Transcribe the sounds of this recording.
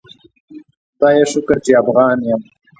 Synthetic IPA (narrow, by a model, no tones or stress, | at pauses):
t̪ɑːjeʃʊkəɾt͡ʃeafɣɑːnjəm